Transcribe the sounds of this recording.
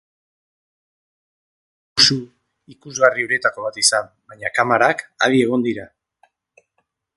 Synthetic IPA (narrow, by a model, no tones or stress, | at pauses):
usu | ikuzɣariuɾe̞t̪ako̞β̞at̪isambaɲakamaɾaka̰ðie̞ɣ̞o̞nd̪iɾa